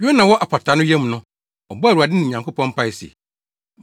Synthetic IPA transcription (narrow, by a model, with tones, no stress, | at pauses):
jo˦nã˨wɔ˦ʔa˨pʰa˨tʰa˨˦nʊ̃˦jɛ˦m˨nʊ̃˦ | ɔ˨bɔ˦æ˨ɾu˨a˨dɪ˦nɪ̃˨ɲã˨ŋkʰo˦pʰɔ̃˦m˦pʰa˦˨˦si˨ḛ˨